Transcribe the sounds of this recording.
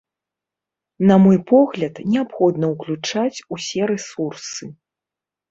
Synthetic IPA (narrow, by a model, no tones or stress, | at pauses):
nɐmɔjpɔɣlʲɐt̪nʲɛapxɔd̪nɐuklʲut͡ʂat͡sʲusʲɛɾɛsursɨ